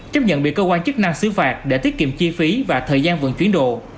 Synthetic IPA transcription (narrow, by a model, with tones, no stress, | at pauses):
t͡ɕə˦˥p̚ɲə̰˧˨nɓi˨˩kə˧kwaː˧nt͡ɕɨ˦˥k̚na˧ŋsɨ˨˦faː˨˩t̚ɗe˧˩t̪i˦˥ət̚kḭ˧˨mt͡ɕi˧fi˨˦vaː˨˩t̪ʰəː˨˩jzaː˧nvɨ̰˧˨ŋt͡ɕwi˨˦ənɗo̰˧˨